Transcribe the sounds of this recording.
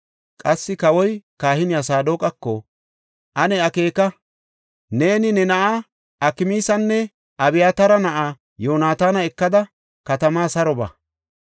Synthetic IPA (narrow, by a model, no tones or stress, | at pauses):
kʼɐsːɪkɐwɔjkaːhɪnɪɐsaːd̪oːkʼɐkːɔ | ʔɐnɛɐke̞ːkɐ | ne̞ːnɪnɛnɐʔaː | ɐkɪmiːsɐnːɛ | ʔɐbɪjaːt̪ɐɾɐnɐʔaː | jo̞ːnaːt̪aːnɐɛkːɐd̪ɐ | kɐt̪ɐmaːsɐɾɔbɐ̰